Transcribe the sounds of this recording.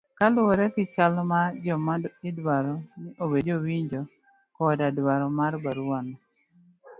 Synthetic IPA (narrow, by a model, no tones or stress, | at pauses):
kalʊɔɾɛkɪt͡ʃalmad͡ʒɔmaɪdwaɾɔnɪʔobed͡ʒowiɲd͡ʒo | kɔdadwaɾɔmarbaɾuanɔ